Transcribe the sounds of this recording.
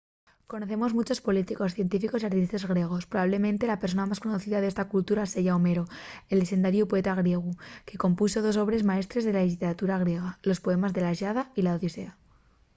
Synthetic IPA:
ko̞noθe̞mo̞zmut͡ʃo̞spo̞lit̪iko̞sθje̞nt̪ifiko̞siaɾt̪ist̪azɣɾje̞ɣ̞o̞spɾoβaβle̞mẽnt̪e̞lapeɾso̞namasko̞noθiðaðest̪akult̪uɾase̞ʝaome̞ɾo̞e̞lːese̞nd̪aɾjupoe̞t̪aɣ̞ɾje̞ɣ̞uke̞ko̞mpuso̞ð̞o̞s̬o̞βɾe̞zmae̞st̪ɾezðe̞laiit̪eɾat̪uɾaɣ̞ɾje̞ɣ̞alo̞spo̞e̞mazðe̞laʃaðailaoðjose̞a

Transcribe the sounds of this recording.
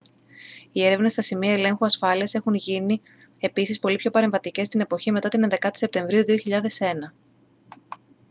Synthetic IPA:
ie̞ɾe̞vne̞st̪ɐsimiɐe̞le̞ŋxuɐsfɐliɐse̞xunʝini | e̞pisispo̞lipçopɐɾe̞ɱvɐt̪ice̞st̪ine̞po̞çime̞t̪ɐt̪inenðe̞kɐt̪i̥se̞p̚t̪e̞ɱvɾiuðioçiʎɐðe̞se̞nɐ

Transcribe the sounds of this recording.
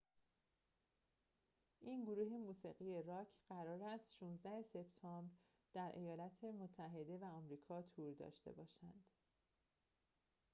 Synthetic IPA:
ʔiːnɡoɾuːɦe̞muːsiɣije̞ɾɒːcʰɢ̥æɾɒːɾæst̪ʃuːnzd̪æhe̞se̞bt̪ʰɒmbɾ | d̪̥æɾʔe̞jɒːlɒt̪ʰe̞mot̪ʰːæɦe̞d̪e̞væɒmɾiːkʰɒːt̪ʰuːɾd̪ɒ̰ːʃt̪e̞̰bɒːʃænd̪̥

